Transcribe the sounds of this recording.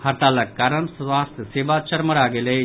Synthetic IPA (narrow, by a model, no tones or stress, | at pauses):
hɐɾt̪aːlɐkːaːɾəɳsʋaːst̪ʰjəseːʋat͡ʃɐɾmɐɾaːɡele